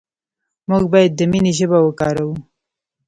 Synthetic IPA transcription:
muɡbɑjad̪ːəminiʒəbawəkɑɾawu

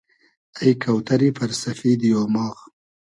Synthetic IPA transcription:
ajkʰawt̪aɾifaɾsafid̪jomɑːɣ

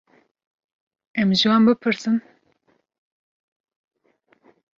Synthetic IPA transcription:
ɛmʒɨwɑːnbɨpʰɨɾsɨn

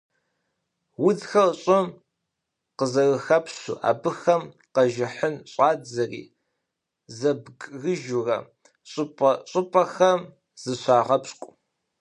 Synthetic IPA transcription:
wʊd͡zxɐrɕʼɪm | qəzɐɣɨxɐpɕṵːʔa̰ːbɨxɐm | qɐʒɪħənɕʼaːɐrḭː | zɐbɡʼɣɨʒʊrɐ̰ | ɕʼʊpʼɐɕʼɨpʼɐxɐm | z̥ɨɕʷaːʁɐpskʷʼ

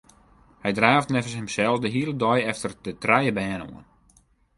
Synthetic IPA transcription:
hɛjdraːftnɛvəshəmsɛlˠfdəɦiəlˠədɔjɛftərdətrajəbɛːno̰ən

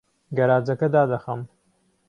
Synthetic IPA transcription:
ɡɐɾaːd͡zɐkɐd̪aːd̪ɐxɐm

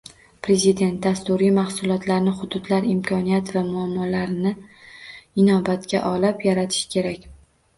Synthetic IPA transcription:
pɾe̞zid̪e̞nt̪̚d̪ast̪ʊɾijmahsʊlˠɒt̪ʰlaɾnɪχʊd̪ʊd̪laɾɪmkʰɒnijat̪vamʊamːɒlaɾnɪ | ɪnɒbat̪kʲa̰ʔɒlɪpjaɾat̪ʰɪ̥ʃɪ̥kʲʰe̞ɾakʲ

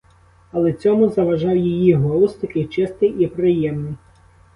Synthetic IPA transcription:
ɐlˠɛt͡sʲɔmʊzɐʋɐʒɑwjijiɦɔlˠust̪ɐkɪjt͡ʃɪst̪ɪjipɾɪjɛmnɪj

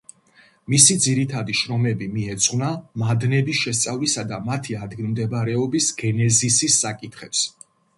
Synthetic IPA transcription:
misid̪ziɾit̪ʰad̪iʃɾɔmɛbimiɛt̪sʼχnamad̪nɛbisʃɛst̪sʼavlisad̪amat̪ʰiad̪ɡilˠmd̪ɛbaɾɛɔbisɡ̥ɛnɛzisisːakʼit̪ʰχɛps

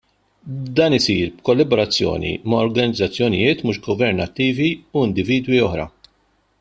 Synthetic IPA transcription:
d̪ɐːnɪsiːɾbkɔlːɐbɔɾɐt͡sːjɔ̰ːnḭmɐːɾɡɐnɪd͡zːɐt͡sːjɔnɪ̰jɪːt̪muːʃɡɔvɛɾnɐt̪ːiːviuɪnd̪ɪviːd̪wiɔħɾɐ̰

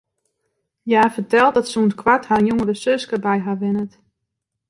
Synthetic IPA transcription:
jaːfətɛlˠt̚dɔtsuntkʰwathaːnjoŋədəsøskəbɛjɦaʋɪnət

